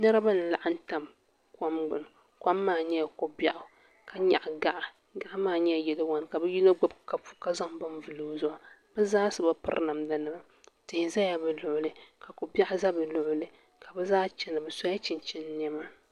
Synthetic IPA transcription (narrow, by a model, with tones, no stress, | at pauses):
nɛ˦ɾɨ˦ba˦nɨ˨la˨ʔa˦n̩˦ta˨m | ka˦mɡ͡bɨ˨n˨ | ka˦mːaː˦˨ɲɛ˦ja˨ko˨ba˨ʔʊ˨ | ka˨ɲa˨ʔɡa˨ʔa˨ | ɡa˦˨ʔa˦maː˦˨ɲɛ˦a˨jɛ˨lɨ˦wa˨˦n˨ka˨bɛ˦ji˦lo˦ɡ͡bʊ˦b̚ka˨fu̥˦ka˦za˦ŋba˦m˦vɨ˨lo˨˦zɔ˨ʔa˨bɛ˦zaː˦sɨ˨ba˦pɨ̰˦ɾ̰na˨mda˨nɨ˨ba˦ | tɪ˨hɪ˨za˦ja˨bɨ˨lʊ˨ʔʊ˨lɨ˦ka˨ko˨bja˦ʔʊ˦za˦bɨ˨lʊ˨ʔʊ˦lɨ˦ | ka˨bɛ˦zaː˦t͡ʃɛ˨nɨ˨bɨ˨sa˦ja˦t͡ʃɪ˨nt͡ʃɛ˦n˦nɛ˦ma˦